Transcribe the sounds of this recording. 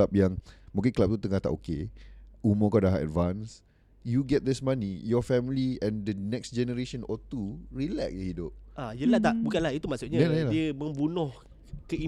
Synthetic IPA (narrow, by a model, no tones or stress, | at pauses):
ap̚jaŋmũkɪ̃nkəlap̚t̪ut̪əŋaht̪a̰ʔokeumokadaɦaʔɛ̰dvãns | juɡɛt̪̚d̪ɪsmãnijɔfɛmliɛ̃ndənɛksd͡ʒɛnəɾeʃə̃nɔt̪uɹilɛk̚jəhidʊp̚ajəlat̪aʔbukanlahit̪umaʔsuʔɲalajalaiəmə̃mbunʊh | kəi